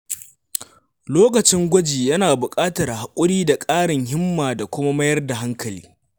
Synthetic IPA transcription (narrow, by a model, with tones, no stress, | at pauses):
loː˦kɐ˨t͡ʃɪ˦ŋɡʷɐ˦d͡ʒiː˨jɐ˦naː˨bʊ˨kʼaː˦tɐ˨rha˨kʷʼʊ˦ɽiː˦da˨kʼaː˦ɽɪ˨ŋhɪ˦mːaː˨da˨kʷʊ˦ma˦mɐ˦jɐ˦rda˨ɦa˦ŋkʰɐ˨lḭː˦